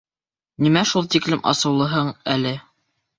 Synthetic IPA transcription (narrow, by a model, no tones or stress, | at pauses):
nimæʃulˠt̪iklɘmʔɑ̰sɤ̆wlˠɤ̆ɦɤɴælɘ